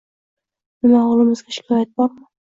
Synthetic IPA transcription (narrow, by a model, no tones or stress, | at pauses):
mɪnaɒlˠɪmɪzɡʲaʃɪ̥kʲʰɒjat̪̚bɒɾmɪ